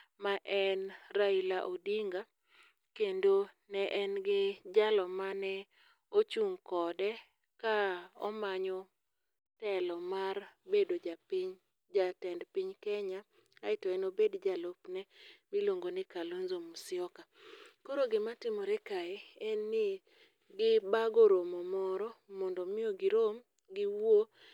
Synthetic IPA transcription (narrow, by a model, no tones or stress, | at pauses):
maʔɛnɾailaʔodiŋɡa | kendo | nɛʔɛnɡɪd͡ʒalɔmanɛ | ot͡ʃuŋkɔdɛ | kaɔ̰maɲɔ | tɛlɔmarbedod͡ʒpɲ | d͡ʒatɛndpiɲkɛɲa | aɪtɔɛnobedd͡ʒalopnɛbɪloŋɡonɪkalonzomusɪɔkakoɾoɡɪmatɪmoɾɛkaɛɛnːɪ | ɡɪbaɡoɾomɔmɔɾɔmɔndɔmɪoɡɪɾom | ɡɪwo